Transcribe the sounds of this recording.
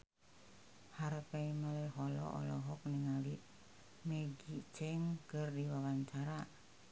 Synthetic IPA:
haɾkaimaleɦɔlɔ̰ʔɔ̰lɔɦɔk̚niŋali | meɡit͡ʃɛŋkərdiwawaɲt͡ʃaɾa

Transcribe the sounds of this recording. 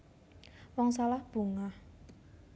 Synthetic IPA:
wɔŋsalahb̥ṳŋah

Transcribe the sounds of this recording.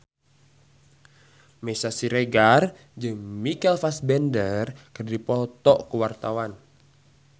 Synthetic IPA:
mɛsasiɾeɡar | d͡ʒɨŋmikɛlfasbɛndərkərdipɔt̪ɔʔkuwart̪awan

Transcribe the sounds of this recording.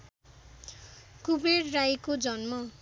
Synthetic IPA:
kubeɽrajkod͡zʌnmʌ

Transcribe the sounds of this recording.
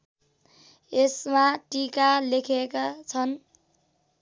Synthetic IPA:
esmaʈikalekʰekat͡sʰʌn

